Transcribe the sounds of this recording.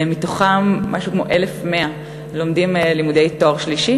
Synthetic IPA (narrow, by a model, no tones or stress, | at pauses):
mitoχamːa̰ʃukmo̰ʔelefme̞a | lo̞mdimlimudejtoʁʃliʃi